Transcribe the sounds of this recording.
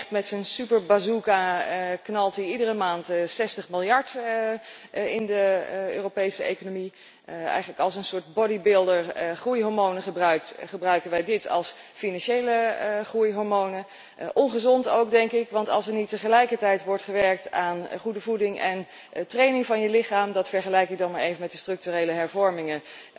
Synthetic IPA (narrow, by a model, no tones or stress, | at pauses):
χtmɛtsənsypəɹbazukaknɑlˠtiidərəmaːntsɛstəχmɪlˠjɑɹt | ɪndəøːropejsəḛjkonomi | ɛ̰jχələkɑlˠsənsʊːɹt̚bɔdibɪlˠdəɹχrujɦɔɹmownəχəbrœɥk̚tχəbrœɥkənʋɛjdɪtʰɑ̰lˠs | finɑnʃejləχrujɦɔɹmownə | ʔɔnχəzɔnto̰wk̚dɛŋkɪkʋɑntɑ̰lˠsɛɹnitːəχəlɛjkəɹtɛjtʋɔɹtχəʋɛɹk̚taːnχudəvudɪŋʔɛn | trejnɪŋvɑnjəlɪχaːmdɑtfɛɹχəlɛjkɪk̚dɑnmaːɹejvənmɛt̚əstrɵk̚tyrejləɦɛɹvɔɹmɪŋə